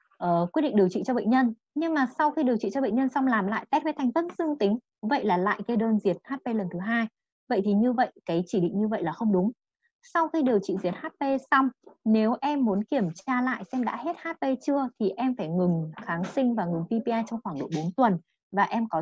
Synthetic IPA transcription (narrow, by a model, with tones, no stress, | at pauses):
ʔəː˨˩kwi˦˥t̚ɗḭ˧˨ŋ̚ɗəwt͡ɕḭ˧˨t͡ɕɔ˧ɓə̰˧˨ŋ̟ɲə˧n | ɲɨ˧ŋmaː˨˩sa˧wxi˧ɗi˨˩əwt͡ɕḭ˧˨t͡ɕɔ˧ɓə̰˧˨ŋɲə˧nsa˧wŋ͡mlaː˨˩mla̰ː˧˨jt̪ɛ˦˥t̚və˨˦t̪ʰa˨˩ŋ̟t̪ə˦nzɨ˧əŋt̪ï˨˦ŋ̟˨və̰˧˨jlaː˨˩la̰ː˧˨jkə˧ɗəː˧nzi˨˩ət̚haː˦˥t̚pe˧lə˨˩nt̪ʰɨ˨˦ɦaː˧j | və̰˧˨jt̪ʰi˨˩ɲɨ˧və̰˧˨jkaː˨˦jt͡ɕi˧˩ɗḭ˧˨ŋ̟ɲɨ˧və̰˧˨jlaː˨˩xə˧wŋ͡mɗʊ˨˦ŋ͡m | sa˧wxi˧ɗi˨˩əwt͡ɕḭ˧˨zi˨˩ət̚haː˦˥t̚pe˧sa˧wŋ͡mne˨˦wʔɛ˧mːu˨˦ənki˧˩əmt͡ɕaː˧la̰ː˧˨jsɛ˧mɗa̰ː˧˥he˦˥t̚haː˦˥t̚pe˧t͡ɕɨ˧ət̪ʰi˨˩ʔɛ˧mfaː˧˩jŋɨ˨˩ŋxaː˨˦ŋsï˧ŋ̟vaː˨˩ŋɨ˨˩ŋvi˧pi˧ʔaː˧jt͡ɕɔ˧wŋ͡mxwaː˧˩ŋɗo̰˧˨jɓo˨˦nt̪wə˨˩n | vaː˨˩ʔɛ˧mkɔ˨˦